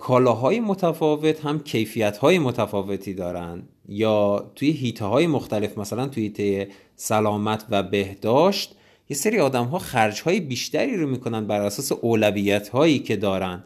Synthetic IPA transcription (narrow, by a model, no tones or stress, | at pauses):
kʰɒːlɒːɦɒːje̞mo̞t̪ʰæfɒːve̞t̪hæmcʰe̞jfijæt̪hɒːje̞mot̪ʰæfɒːve̞t̪ʰiːd̪ɒːɾænd̪ | jɒːt̪ʰuːjeɦiːt̪ʰehɒːje̞moxt̪æle̞fmæsælænt̪ʰujeiːt̪ʰeje | sælɒːmæt̪ʰvæbe̞hd̪ɒːʃt̪ | je̞seɾiːɒːd̪æmɦɒːxæɾd͡ʒhɒːjebiːʃt̪æɾiːɾomiːkʰo̞nænd̪̚bæɾæsɒːseʔoːlæviːjæt̪ʰhɒːjiːcʰe̞d̪ɒːɾænd̪̥